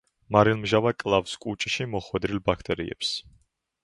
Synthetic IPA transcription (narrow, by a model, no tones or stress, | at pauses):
maɾilˠmʒavakʼlˠavskʼut͡ʃʼʃimɔχwɛd̪ɾilbakʰt̪ʼɛɾḭɛ̰ps